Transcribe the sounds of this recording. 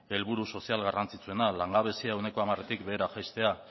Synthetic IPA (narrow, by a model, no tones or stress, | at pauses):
e̞lβuɾuso̞sialɣarant͡sit͡sue̞nalaŋɡaβ̞e̞siaewne̞ko̞amaret̪ikbe̞ːɾaʝajst̪e̞a